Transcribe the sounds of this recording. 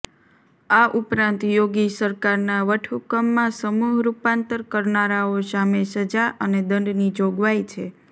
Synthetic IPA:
aʔupɾãnt̪joɡisəɾkaɾnaʋəʈʰukəmːãsəmuɦɾupãnt̪əɾkəɾnaɾaosamesəd͡ʒaʔəned̪əɳɖnid͡ʒoɡʋajt͡ʃʰe

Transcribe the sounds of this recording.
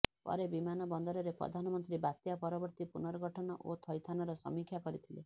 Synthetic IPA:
pɔ̰ɾebimanɔbɔnd̪ɔɾɔɾepɾɔ̰d̪ʱanɔmɔnt̪ɾibat̪japɔɾɔbɔɾt̪ipunɔɾɔɡɔʈʰɔnɔʔot̪ʰɔjt̪ʰanɔɾɔsɔ̰mikʰjakɔɾit̪ʰile

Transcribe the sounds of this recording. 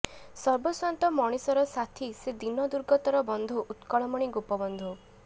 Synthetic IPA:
sɔɾbɔswant̪ɔmɔɽ̃isɔɾɔsat̪ʰised̪inɔd̪uɾɡɔt̪ɔɾɔbɔnd̪ʱuʔut̪kɔɭɔmɔɽ̃iɡupɔbɔnd̪ʱu

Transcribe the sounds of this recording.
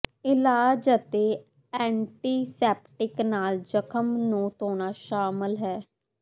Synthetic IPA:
ɪlaːd͡ʒət̪eː | ɛ̃ːɳʈiːsɛːp̚ʈɪknaːld͡ʒəkʰəmnũːt̪oːnaːʃaːmɪlɦɛː

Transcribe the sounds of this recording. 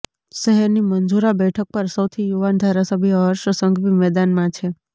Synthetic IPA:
ʃəɦɛɾnimənd͡ʒuɾabɛʈʰək̚pəɾsəwt̪ʰijuʋand̪ʱaɾasəbʱjəɾʃəsəŋɡbimɛd̪anmãt͡ʃʰe

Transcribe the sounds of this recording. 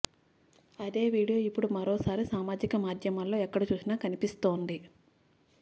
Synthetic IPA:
ɐd̪e̞ːʋiːɽijo̞ːipːuɽumɐɾoːsaːɾisaːmaːd͡ʒikɐmaːd̪ʱjɐmɐlo̞ːɛkːɐɽɐt͡ʃuːsinaːkɐnipist̪o̞ːnd̪i

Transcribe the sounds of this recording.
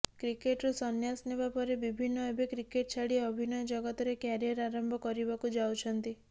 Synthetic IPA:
kɾikeʈɾusɔnjasnebapɔɾebibʱinːɔebʱekɾikeʈ̚t͡ʃʰaɽiɔbʱinɔjɔd͡ʒɔɡɔt̪ɔɾekjaɾijɔɾaɾɔmbʱɔkɔɾibakud͡ʒawt͡ʃʰɔnt̪i

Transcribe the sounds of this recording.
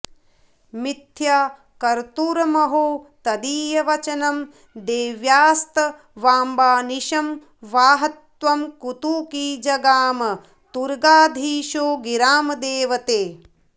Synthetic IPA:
mit̪ʰjaː | kɐɾt̪uɾɐmɐɦot̪ɐd̪iːjɐʋɐt͡ʃɐnɐm | d̪eːʋjaːst̪ɐ | ʋaːmbaːniʃɐm | ʋaːɦɐt̪ʋɐmkut̪uːkiːd͡ʒɐɡaːmɐ | t̪uɾɡaːd̪ʱiːʃoːɡiɾaːmɐd̪eːʋɐt̪eː

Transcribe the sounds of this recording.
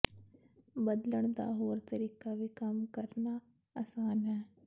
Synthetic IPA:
bəd̪ləɳ̃d̪a̰ːɦoːɾt̪əɾiːkabʱikɐmkəɾna | ɐsaːnɦɛː

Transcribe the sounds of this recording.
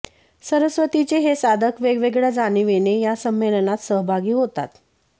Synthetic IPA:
səɾəsʋət̪it͡ɕeɦesad̪ʱəkʋeɡʋeɡɭjad͡zaniʋenejasəmːelənat̪səɦbʱaɡiːɦot̪a̰t̪

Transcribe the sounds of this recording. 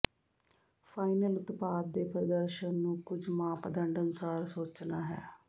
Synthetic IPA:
pʰaːɪnəlʊt̪paːd̪̚ːeːpɾəd̪əɾʃənːũːkʊd͡ʒmãːpəd̪əɳɖənʊsaːɾsoːt͡ʃnaːɦɛ̰ː

